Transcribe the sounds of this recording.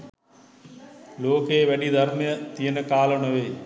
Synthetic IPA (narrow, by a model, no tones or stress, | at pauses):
loːkeːʋɐɗid̪ʱɐɾmjət̪ijənkaːləɽ̃əʋeː